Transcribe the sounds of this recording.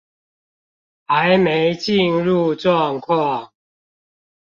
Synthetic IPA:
ha˨˦ɪjme˨˦ɪt͡ɕi˥˨nɻu˥˧ʈ͡ʂwɔ˥˨ŋkʰwa˥˨ŋ

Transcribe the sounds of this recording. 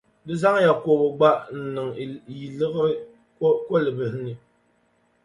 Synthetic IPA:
dɨ˦za˦ŋ˦ja˨ko˨bɨ˨ɡ͡ba˦ʔn̩˨nɨ˨ŋ˨ji˨lɨ˦ɣɨ˦ | ko˦lɨ˨bɨ˨hnɨ˨

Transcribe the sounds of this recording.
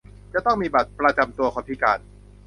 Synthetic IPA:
t͡ɕa˨˩t̪ɔ˥˩ŋmiː˧ba˨˩t̪̚pɾa˧t͡ɕa˧mt̪u˧ɐkʰɔː˧˩p̪ʰiː˦˥˩kaː˧n

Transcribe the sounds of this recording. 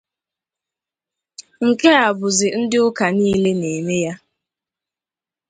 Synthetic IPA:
ŋ̩˨ke˦a˨bʊ˨zɪ˨n̩˦dɪ˦ʊ˦ka˨niː˦le˦ne˨me˦ja˦

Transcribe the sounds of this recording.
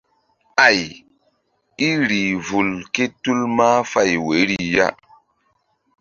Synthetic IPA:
a˨j | i˦ɾi˨vu˨lke˦tu˦lma˦fa˦˨jwe˨˦ɾi˦ja̰˦

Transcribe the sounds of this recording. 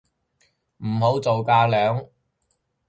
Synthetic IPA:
m̩˨˩ɦo˨˥wt͡so˨wkaː˧lœː˨˥ŋ

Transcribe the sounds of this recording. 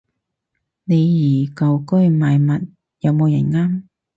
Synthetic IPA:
ne˨˧jjiː˨˩kɐ˨˩wkɵ˥ɥmaː˨˧jmɐ˨t̚ | jɐ˨˧wmo˨˧wjɐ˨˩nŋaː˥m

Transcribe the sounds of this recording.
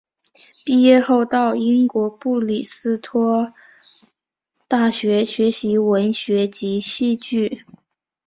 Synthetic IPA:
pi˥˧jɛ˥˧xo˥˧ʊt̪ɑ˥˩ʊi˥nkwɔ˧˥pu˥˩li˨˩sɹ̩˥t̪ʰwɔ˥ | t̪a˥˩ɕɥɛ˧˥ɕɥɛ˧˥ɕi˧˥wə˧˥nɕɥɛ˧˥t͡ɕi˧˥ɕi˥˧t͡ɕy˥˩

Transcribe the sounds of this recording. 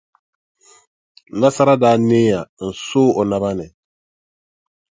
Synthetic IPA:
la˦sa˦ɾa˦daː˦neː˦ja˨n̩˨sʊː˦o˨na˨βa˦nɪ˨

